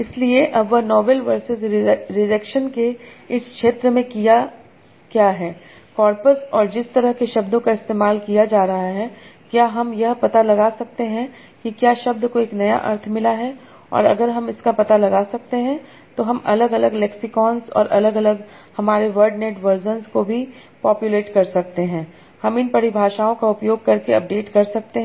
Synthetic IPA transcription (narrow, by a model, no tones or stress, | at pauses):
ɪslieʔɐbʋɐnɔːʋelʋɐɾsɪzɾɪɖəkʃənkeɪskʃeːt̪ɾəmẽkija | kjaːɦɛː | kɔːɾpəsɔːɾd͡ʒɪst̪ɐɾəɦkeʃɐbd̪õkaɪst̪eːmaːlkijad͡ʒaːɾɐɦaɦɛkjaːɦɐmjɐɦpɐt̪alɐɡaːsɐk̚t̪eɦɛ̃ | kikjaːʃɐb̚d̪ʱkoeːknɐja̰ʔɐ̰ɾt̪ʰmɪlaɦɛ | ɔ̰ːɾɐ̰ɡəɾɦɐmɪskapɐt̪alɐɡaːsɐk̚t̪eɦɛ̃ | t̪oɦɐmɐ̰ləɡɐləɡlɛksɪkɔːnzɔ̰ːɾʔɐləɡɐləɡ | hɐmaːɾeʋəɾɖneːʈʋəɾzənzkobʱi | pɔːpjuleːʈkɐɾsɐk̚t̪eɦɛ̃ː | hɐmɪnpɐɽibʱaːʃaːõkaʊpjoːɡ̚kɐɾkeɐ̰p̚ɖeːʈkɐɾsɐk̚t̪eɦ